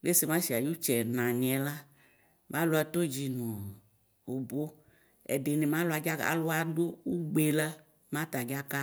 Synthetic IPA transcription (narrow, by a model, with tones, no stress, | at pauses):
le˦se˨mã˦ʃi˨a˨ju˦t͡ʃɛ˨nã˨ɲ˨ɛ˨la˦ | mʔã˦lu˦a˨to˦d͡ʒi˨nũ˨ | o˨bo˦ | ɛ̰˨de˨ni˨mã˦lʊ˨˦a˨d͡ʒa˦ka̰˨lʊ˦a˨du˦u˦ɡ͡be˨la˦ | mã˦ta˨d͡ʒa˦ka˦